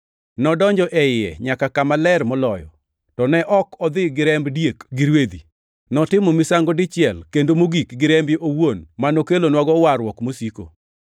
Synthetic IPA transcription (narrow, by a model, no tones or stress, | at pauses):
nɔdɔɲd͡ʒɔʔɛɪɛ̰ɲakakamalɛrmɔlɔjɔ̰ | tɔnɛʔɔkɔd̪ɪɡɪɾɛmbdjekɡɪɾwed̪i | nɔtɪmɔmisaŋɡɔdɪt͡ʃɪɛlkendomoɡikɡɪɾɛmbɪʔowonmanokelonwaɡɔwarwɔkmosiko̰